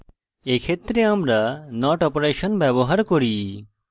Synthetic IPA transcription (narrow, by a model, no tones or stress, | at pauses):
ekʰet̪ːɾeamɾanɔʈɔpoɾeʃɔnbɛboɦaɾkoɾi